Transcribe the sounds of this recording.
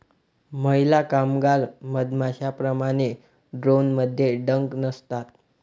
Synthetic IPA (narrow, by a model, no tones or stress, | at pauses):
məilakamɡaɾməd̪maɕapɾəmaɽ̃e | ɖɾonməd̪ʱːjeɖəŋknəst̪at̪̚